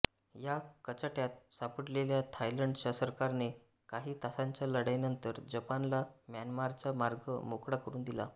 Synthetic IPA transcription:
jakət͡ɕaʈjat̪sapəɽleljat̪ʰajləɳɖt͡ɕasəɾkaɾne | kaɦiːt̪asãɲt͡ɕjaləɽajnənt̪əɾd͡ʑəpanlamjanmaɾt͡samaɾɡəmokɽakəɾuːnd̪ila̰

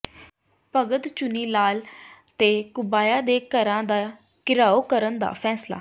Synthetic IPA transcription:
pəɡəd̪t͡ʃʊniːlaːlt̪eːkʊbaːjaːd̪eːkəɾãːd̪aː | kɪɾaːoːkəɾənd̪a̰ːpʰɛːsla̰ː

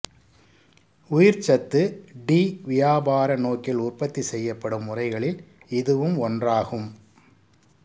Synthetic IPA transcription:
ʊjɪɾt͡ʃɐt̪ːɯɖiːʋɪjaːbaːɾɐnoːkɪlʊrpɐt̪ːisɛjːɐpːɐɽɯmːʊrɐɪɣɐɭɪl | ɪðɯʋɯmɔndraːɣɯm

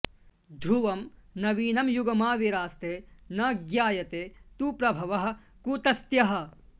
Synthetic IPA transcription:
d̪ʱuʋɐmnɐʋiːnɐmjuɡɐmaːʋiɾaːst̪eːnɐɡjaːjɐt̪eːt̪uːpɾɐbʱɐʋɐɦɐ̆ | kut̪ɐst̪jɐɦɐ̆

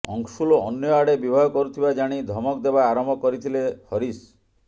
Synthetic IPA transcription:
ɔ̰ŋʃuloɔnjɔaɽebibʱaɦɔkɔɾut̪ʰibad͡ʒaɽ̃id̪ʱɔmɔkd̪ebaaɾɔmbʱɔkɔɾit̪ʰilehɔɾis

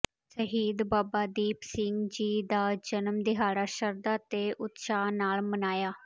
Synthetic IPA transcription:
səɦiːd̪baːbaːd̪iːpsɪŋɡd͡ʒiːd̪aːd͡ʒənəmd̪ɪɦaːɽaːʃəɾd̪aːt̪eːʔʊt̪ʃaːnaːlmənaːjaː

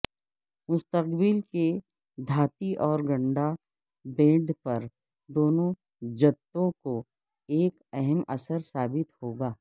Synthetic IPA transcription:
mʊst̪əqbɪlke | d̪ʱaːt̪iʔɔːɾɡɐ̃ɳɖa | bẽːɖpɐɾ | d̪oːnõ | d͡ʒɐt̪ːõko | eːkɛɦɛmɐsəɾsaːbɪt̪hoːɡaː

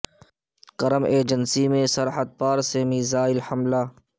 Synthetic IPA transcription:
kɐɾəmeːd͡ʒənsimẽsɐɾɦət̪̚paːɾsemiːzaːɪlhɐmlaː

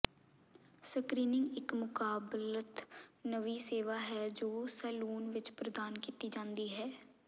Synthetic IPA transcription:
səkɾiːnɪ̃ŋɡɪkmʊkaːblət̪nəʋiːseːʋaːɦɛːd͡ʒoːsɛːluːnʋɪt͡ʃpɾəd̪aːnkiːt̪iːd͡ʒãːnd̪iːɦɛː

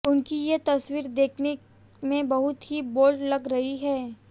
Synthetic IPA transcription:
ʊnkijet̪ɐswiːɾd̪eːkʰne | mẽbɐɦʊt̪ɦiboːlɖlɐɡɾɐɦiɦɛː

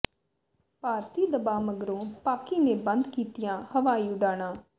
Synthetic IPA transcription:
paːɾt̪iːd̪əbaːməɡɾõːpaːkiːneːbənd̪kiːt̪ɪjãːhəʋaːiːʊɖaːɽ̃ãː

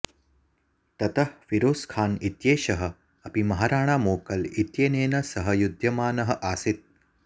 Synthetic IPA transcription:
t̪ɐt̪ɐhʋiɾoːskʰaːnit̪jeːʃɐɦɐ̆ | ɐpimɐɦaːɾaːɳ̃aːmoːkɐlit̪jeːneːnɐsɐɦɐjud̪ʱjɐmaːnɐɦɐ̆ʔaːsit̪̚

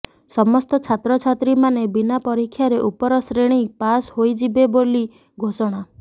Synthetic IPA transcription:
sɔmɔst̪ɔt͡ʃʰat̪ɾɔt͡ʃʰat̪ɾimanebinapɔɾikʰːjaɾeʔupɔɾɔsɾeɽ̃ipashojd͡ʒibeboli | ɡʱosɔɽ̃a

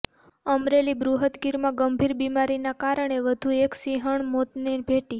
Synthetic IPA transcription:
əmɾelibɾuɦət̪ɡiɾmãɡəmbʱiɾbimaɾinakaɾəɳ̃eʋəd̪ʱueksiɦəɳmot̪nebʱeʈi

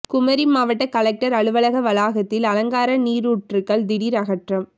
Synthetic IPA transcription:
kʊmɐɾimaːʋɐʈːɐkɐlɐk̚ʈɐɾɐɭɯʋɐɭɐɣɐʋɐlaːɣɐt̪ːɪlɐlɐŋɡaːɾɐniːɾuːʈrɯkːɐɭd̪ɪɽiːɾɐɣɐʈrɐm

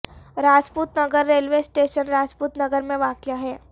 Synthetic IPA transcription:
ɾaːd͡ʒpuːt̪nɐɡəɾːeːlʋesʈeːʃənɾaːd͡ʒpuːt̪nɐɡəɾmẽʋaːkjaɦɛː

